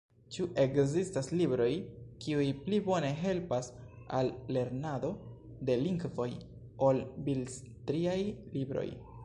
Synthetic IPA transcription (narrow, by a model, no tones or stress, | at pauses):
t͡ʃuʔe̞kzistaslibɾo̞jkiujplibo̞ne̞ɦe̞lpasalːe̞ɾnado̞ | de̞liŋɡvo̞j | o̞lbils | tɾiajlibɾo̞̰j